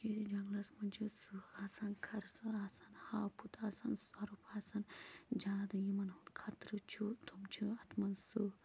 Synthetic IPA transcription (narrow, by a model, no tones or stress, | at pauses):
keːd̪id͡ʒɐŋɡlɐsmɐnt͡ʃʰusɨaːsaːnkʰɐɾsɨaːsanhaːpʰut̪aːsansɐɾupʰaːsand͡ʒaːd̪ɐjimɐnhunkʰɐt̪ɾɨt͡ʃʰut̪ʰumt͡ʃʰuɐt̪ʰmɐnsɨ